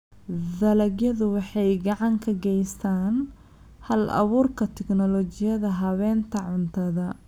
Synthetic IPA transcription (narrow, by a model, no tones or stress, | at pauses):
dɐlɐɡjɐðʊwɑħɑjɡɑʕɑŋkʰɐɡɛjst̪ʰaːn | hɐlʔɐ̰βuːrkʰɐt̪ʰɛɡnɔlɔt͡ʃɪjɐðɐɦɐβɛːnt̪ʰɐʕʊnt̪ʰɐðɐ